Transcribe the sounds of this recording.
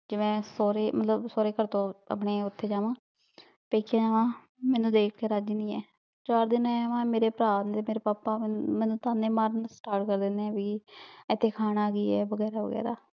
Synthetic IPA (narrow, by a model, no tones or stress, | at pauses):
d͡ʒɪʋẽːsoːɾeːmət̪ləbsoːɾeːkəɾt̪õːə̰pɳeːʊt̪ʰːeːd͡ʒaːʋãː | peːkʰjaːd͡ʒaːʋãː | mɛ̃ːnũːd̪eːkʰkeːɾaːd͡ʒiːnĩːɛː | t͡ʃaːɾd̪ɪnɛːʋãːmeːɾeːpɾaːnt̪eːmeːɾeːpaːpːaːmɛ̃ːnũːt̪aːnẽːmaːɾnsʈaːʈkəɾd̪ɪnd̪eɛ̃ːbiːɪt̪ʰːeːkʰaːnaːɡiːɛːbəɡɛːɾaːʋə̰ɡɛ̰ːɾa̰ː